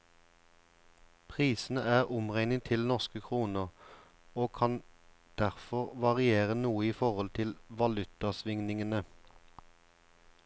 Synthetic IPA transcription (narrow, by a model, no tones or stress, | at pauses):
pʰʁiːsn̩əæːʁʊmʁɛŋnɪŋt̪ʰɪlnɔʁskəkʰʁuːnəʁ | oːkʰɑn | d̪̥æʁfɔʁʋɑʁɪeːʁənuːəiːfɔʁɔlt̪ʰɪlʋɑlʉt̪ɑsʋɪŋnɪŋənə